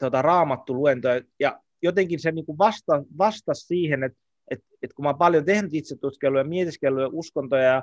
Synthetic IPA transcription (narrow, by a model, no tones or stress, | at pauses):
t̪ot̪ɑrɑːmɑt̪ːuluent̪ojɑjɑ | jot̪eŋkinseniːŋkuʋɑst̪ɑʋɑst̪ɑssiːhenet̪ | et̪ | et̪kumɑːpɑljot̪ehnyt̪it̪set̪ːut̪kelːujɑmiet̪iskelːujɑʔuskont̪ojɑjɑ